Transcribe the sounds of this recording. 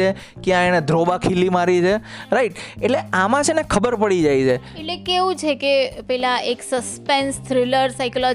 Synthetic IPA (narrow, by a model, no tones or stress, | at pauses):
e | kjãɛned̪ʱɾobakʰilimaɾit͡ʃʰeɾaiʈeʈleamãt͡ʃʰenekʰəbəɾpəɽid͡ʒajt͡ʃʰe | eʈlekeʋũt͡ʃʰekepɛlãeksəspẽnst̪ʰɾɪləɾsajkɔlɔ